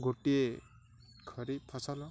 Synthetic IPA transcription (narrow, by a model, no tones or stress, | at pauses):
ɡoʈie | kʰʌɾipʰɔsalɔ